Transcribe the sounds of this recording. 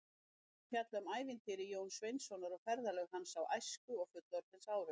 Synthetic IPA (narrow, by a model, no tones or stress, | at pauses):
fjat̪lʏmaːjvɪnt̪ʰɪɾɪjoːwnsvejnsɔnaɾɔɣfɛɾðalœɣhansawajskʏɔɣfʏt̪lɔɾ̥θɪnsaːwɾʏ